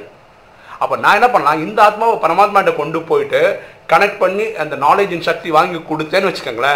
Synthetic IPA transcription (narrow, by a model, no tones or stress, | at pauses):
ɐpːoːnãːɛnːɐpɐɳːɐlãːɪnd̪ɐaːt̪̚maːʋɐpɐɾɐmaːt̪maːʈːɐkɔɳɖɯpoːjɪʈːɯkɐɳɛk̚ʈ̚pɐɳːiɐnd̪ɐnaːleːd͡ʒɪnʃɐk̚t̪iʋaːŋɡikɔɽɯt̪ːeːnːɯʋɐt͡ʃːɯɾɯkːeːŋɡɐɭɐ